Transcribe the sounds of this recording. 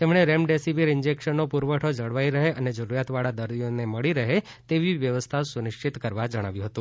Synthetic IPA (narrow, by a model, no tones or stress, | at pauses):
t̪emɳ̃eɾemɖesiʋiɾɪnd͡ʒekʃənːopuɾʋəʈʰod͡ʒəɽʋaiɾəɦeʔəned͡ʒəɾuɾjat̪ʋaɭad̪əɾd̪ijoneməɭiɾəɦe | t̪eʋiʋjəʋəst̪ʰasunɪʃt͡ʃʰit̪kəɾʋad͡ʒəɽ̃aʋjũɦət̪ũ